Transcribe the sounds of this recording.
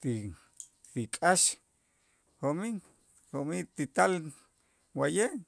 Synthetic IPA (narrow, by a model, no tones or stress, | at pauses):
t̪i | t̪ikʼaʃ | homi | homit̪it̪al | wajeʔ